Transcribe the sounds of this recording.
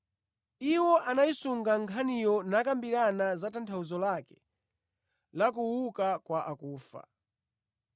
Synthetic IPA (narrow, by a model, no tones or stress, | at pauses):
iwɔʔanaisuŋɡaŋkʰanijɔnakambiɾanazatantʰauzɔlakɛ̥ | lak̬uwukakwaʔakuːfa̰